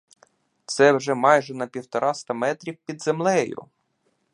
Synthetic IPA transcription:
t̪sɛwʒɛmɑjʒɛnɐpʲiwt̪ɔɾɑst̪ɐmɛt̪ɾʲiwpʲid̪zemlˠɛjʊ̰

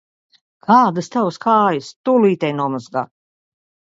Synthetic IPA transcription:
kʰaːd̪ɨst̪awskaːjast̪uliːt̪ʲɛjnuɔmɔzɡa

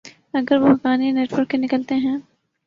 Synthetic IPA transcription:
ɐɡəɾʋoɦɐkaːnieneːʈwəɾkːenɪkəlt̪eɦɛ̃ː

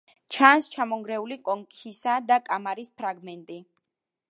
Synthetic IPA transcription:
t͡ʃʰanst͡ʃʰamɔŋɡɾɛulikʼɔŋkʰisad̪akʼamaɾispʰɾaɡmɛnt̪ʼi

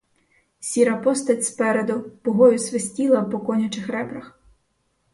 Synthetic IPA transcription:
sʲiɾɐpɔst̪ɐtʲspɛɾed̪ʊpɔɦɔjʊsʋesʲtʲilˠɐwpɔkɔnʲɐt͡ʃɪxɾɛbɾɐx

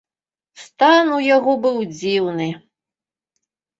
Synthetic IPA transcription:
st̪anujaɣɔbɨwd͡zʲiwnɨ

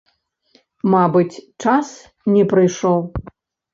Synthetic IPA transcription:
mabɨt͡sʲt͡ʂas | nʲɛpɾɨjʂɔw

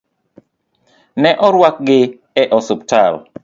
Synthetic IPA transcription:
nɛʔɔɾwak̚ɡɪ | ɛʔɔsʊptal

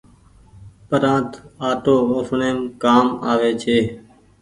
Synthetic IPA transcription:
pəɾãːnt̪aːʈoːoːsɳeːmkaːmaːʋeːt͡ʃʰeː

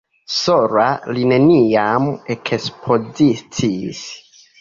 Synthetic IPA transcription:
soɾaline̞niamekʰespʰozit͡sis

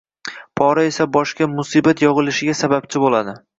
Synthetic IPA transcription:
pʰɒɾae̞sabɒʃkʲamʊsibat̪ʰjɒʁɨlɪʃɪɡʲasabap̚t͡ʃʰɪbolad̪ɪ

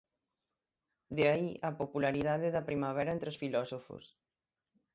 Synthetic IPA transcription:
d̪eaiʔɐpopulaɾiðaðeðɐpɾimaβ̞ɛɾaɛnt̪ɾeosfilɔsofo̰s

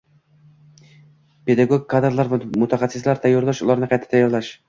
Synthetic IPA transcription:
pe̞d̪aɡoɡkʰːad̪ɾlˠaɾvmʊt̪ʰaχɑsːɪslaɾt̪ʰajːɑɾlˠaʃʊlˠaɾnɪqʰɑjt̪ʰḁt̪ʰajːɑɾlˠaʃ

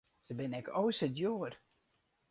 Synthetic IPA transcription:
səbɪnɛkowsədjoːər

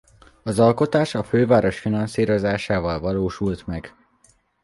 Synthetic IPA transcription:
ɒzɒlko̞t̪aːʃɒføːvaːɾo̞ʃfinɒnsiːɾo̞zaːʃaːvɒlvɒloːʃult̪mɛɡ

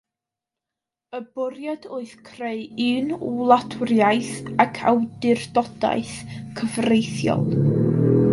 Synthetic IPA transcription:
əbʊɾjadoɨθkʰreɨɨnulˠatʰʊrjajθakʰa̰wdɪrdɔd̥a̰ɨθkʰəvrejθjɔ̰lˠ

